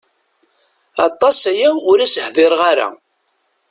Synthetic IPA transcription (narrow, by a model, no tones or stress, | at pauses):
ɑt̪ˤːɑsæjæʊɾæsəhðˤeɾʁaɾa̰